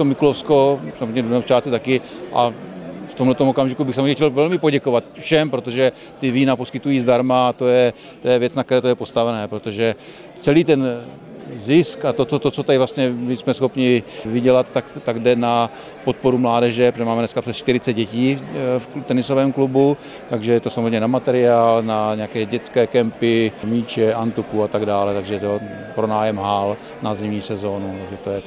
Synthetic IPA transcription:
t̪omɪkulofskosamot̪ɲɛdonɛft͡ʃaːst͡sɪt̪akɪʔaft̪omlɛt̪omokamʒɪkubɪxsamot̪ɲɛxcɛlvɛlmɪpoɟɛkovat̪fʃɛmpɾot̪oʒɛ | t̪ɪviːnaposkɪt̪ujiːzdaɾmaat̪ojɛ | t̪ojɛvjɛt͡snakt̪ɛɾɛːt̪ojɛpo̞st̪avɛnɛːpɾot̪oʒɛ | t͡sɛliːt̪ɛn | zɪskat̪ot̪ot̪ot͡sot̪adɪvlast̪ɲɛmɪsmɛsxo̞pɲɪvɪɟɛlat̪t̪ːakt̪aɡdɛna | pot̪̚po̞ɾumlaːdɛʒɛpɾoɛmaːmɛnɛskaprɛsʃt̪ɪɾɪt͡sɛd̪ɟɛciːft̪ɛnɪsovɛːmklubu | t̪aɡʒɛjɛt̪osamzrɛmɲɛnamat̪ɛɾɪaːlnaɲɛakɛːɟɛt͡skɛːkɛmpɪmiːt͡ʃɛʔant̪ukuat̪aɡdaːlɛt̪aɡʒɛjɛt̪o | pɾo̞naːjɛmɦal | nazɛmɲiːsɛzoːnut̪aɡʒɛt̪ojɛ

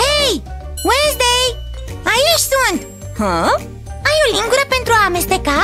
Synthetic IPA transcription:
hej | wensd̪ejajiʃsunt̪ | hə̃ | ajolĩŋɡuɾəpent̪ɾuaːmest̪eka

